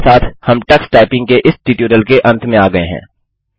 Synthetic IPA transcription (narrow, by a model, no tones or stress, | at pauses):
saːt̪ʰhɐmʈɛksʈaːɪpɪ̃ŋɡ̚keʔɪsʈiːʈuɾəlkeʔɐ̃nt̪ʰmẽaːɡɐeɦɛ̰̃ː